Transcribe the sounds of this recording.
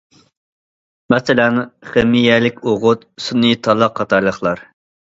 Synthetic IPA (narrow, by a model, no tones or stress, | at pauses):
mɛsɪlɛnχemijɛlɪkʲoʁʊt̪̚sunɨt̪ʰɑlˠɑqʰːɑt̪ɑɾlˠəχlˠɑɾ